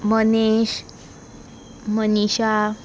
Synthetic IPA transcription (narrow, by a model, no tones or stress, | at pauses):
məneɕ | məniɕa